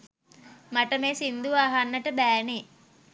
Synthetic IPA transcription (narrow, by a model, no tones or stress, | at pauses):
maʈəmeːsind̪uʋaːɦanːəʈəbæːneː